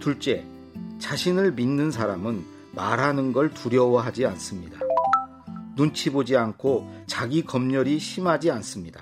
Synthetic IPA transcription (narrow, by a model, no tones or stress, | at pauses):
tuɭt͡ɕ͈e̞ | t͡ɕaɕʰinɯɭminːɯns̬ʰaɾamɯn | maɾɦanɯnɡʌɭtuɾjʌwʌɦad͡ʑians͈ɯmɲida | nunt͡ɕʰibod͡ʑiankʰot͡ɕaɡikʌmɲʌɾiɕʰimɦad͡ʑians͈ɯmɲida